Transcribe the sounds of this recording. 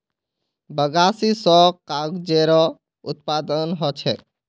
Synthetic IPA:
bəɡasisɔkaɡd͡ʒeɾɔ | ut̪̚pad̪ənɦɔt͡ʃʰɛ

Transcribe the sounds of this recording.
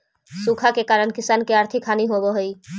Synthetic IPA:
suːkʰakekaːɾəɽkɪsaːnkeəɾt̪ʰɪkʰːaːniɦoboɦoi

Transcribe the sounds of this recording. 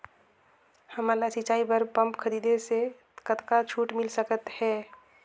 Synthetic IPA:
həmalasɪt͡ʃaːibəɾpə̃mpkʰəɾiːd̪ese | kət̪kat͡ʃʰuːʈmɪlsəkət̪hɛː

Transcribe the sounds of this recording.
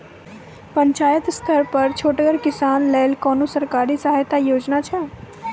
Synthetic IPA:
pəɲt͡ʃaːjət̪st̪ʰəɾpəɾt͡ʃʰoːʈɡəɾkɪsaːnleːlkɔːnosəɾkaːɾisəɦajt̪ajoːd͡ʒnat͡ʃʰɛ

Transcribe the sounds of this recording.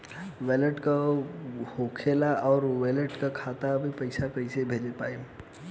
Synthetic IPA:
weləʈka | hokʰeːlaɔːɾweːləʈkakʰaːt̪abʱipəɪsakəɪsebʱeːd͡ʒepaːe

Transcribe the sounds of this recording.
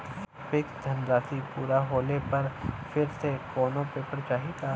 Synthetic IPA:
pɪkd̪ʱɐnɾaːsipuːɾaɦoːlepɐɾfʰɪɾsekɔːnõpeːpəɾt͡ʃaːɦit̪ʰaː

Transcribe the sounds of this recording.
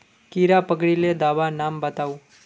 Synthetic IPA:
kiɾapəɡɭiled̪aʋanambət̪au

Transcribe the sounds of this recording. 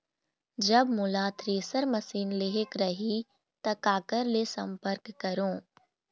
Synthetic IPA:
d͡ʒɐbmʊlaːt̪ʰɾeːsəɾmɐsiːnleɦekɾɐɦi | t̪ɐkaːkəɾlesɐ̃mpəɾkːɐɾõː

